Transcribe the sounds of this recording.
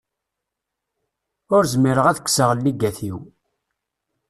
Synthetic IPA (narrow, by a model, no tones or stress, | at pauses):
ʊɾzmiɾəʁæðə̥kːsəʁlːiɡæθiw